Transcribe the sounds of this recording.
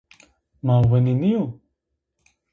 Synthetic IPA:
maːwɐniniju

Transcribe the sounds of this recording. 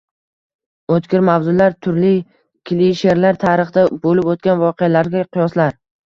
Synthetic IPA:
ot̪kʲɪɾmavzʊlaɾt̪ʰʊɾlɪ | kʲʰliʃeɾlaɾt̪ʰaɾɨχd̪abolɪpot̪̚kʲanvɒqealaɾɡʲaqʰʊjɒslaɾ

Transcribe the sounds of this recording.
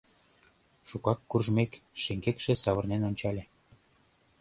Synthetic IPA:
ʃukɑkːurʒmekʃĕŋɡekʃĕsɑβɤ̆rnenonʲt͡ɕɑlʲĕ

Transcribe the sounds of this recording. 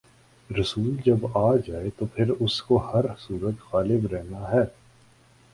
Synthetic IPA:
ɾɐsuːld͡ʒɐbaːd͡ʒaːet̪opʰɪɾʊskohɐɾsuːɾət̪ɣaːlɪbɾɛɦnaɦɛː

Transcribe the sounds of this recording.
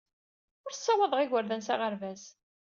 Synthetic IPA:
ʊɾsˤːɑwɑðˤʁɪʝəɾðənsaʁəɾvæs

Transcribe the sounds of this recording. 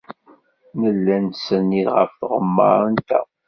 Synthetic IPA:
nəlːænsənːiʁə̰fθʁəmːə̰ɾˤənt̪æ̰

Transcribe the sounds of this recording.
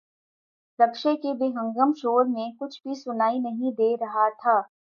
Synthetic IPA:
ɾɐkʃekebeːɦɐ̃ŋɡəmʃoːɾmẽkʊt͡ʃʰbʱisʊnaːinɐɦĩd̪eːɾɐɦat̪ʰaː

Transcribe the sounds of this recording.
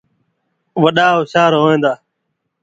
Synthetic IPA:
ʋəɗaːʊʃaːɾɦoːẽːnd̪aː

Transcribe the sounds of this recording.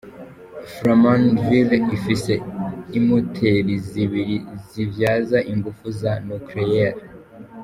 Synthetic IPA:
fɾamãnvilifise̞imotʰeɾiziβiɾizivjaːzaʔiŋɡufuzanuklejeɾ

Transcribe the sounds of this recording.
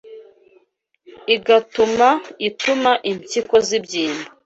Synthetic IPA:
iɡatumaitumaʔiɲciko̞zibjiːmba

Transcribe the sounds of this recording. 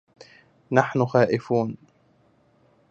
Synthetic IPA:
naħnʊxaːʔɪfuːn

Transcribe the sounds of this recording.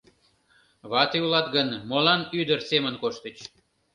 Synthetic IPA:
βɑt̪iulɑt̪ɡənmolɑnyd̪ərsemənkoʃt̪ət͡ɕ

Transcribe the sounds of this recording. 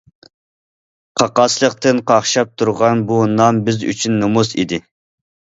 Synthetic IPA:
qʰɑqɑslˠəqt̪ɨnqʰɑχʃɑp̚t̪ʰuɾʁɑnbunɑmbɪzy̰t͡ʃʰynːumusḭd̪ɪ

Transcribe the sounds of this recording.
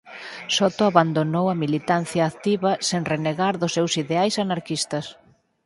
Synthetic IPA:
sɔt̪oaβand̪onowɐmilit̪anθjaːt̪iβɐseŋreneɣaɾðʊsːewsiðeajsanaɾkist̪ɐs

